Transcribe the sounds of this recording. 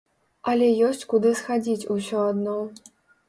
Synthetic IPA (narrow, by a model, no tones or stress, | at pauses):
ɐlʲɛjɔsʲt͡sʲkud̪ɨsxad͡zʲit͡sʲusʲɔad̪nɔ